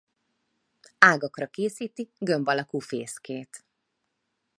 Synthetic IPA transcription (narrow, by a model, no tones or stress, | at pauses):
aːɡɒkrɒkeːsiːt̪iɡø̞mbɒlɒkuːfeːskeːt̪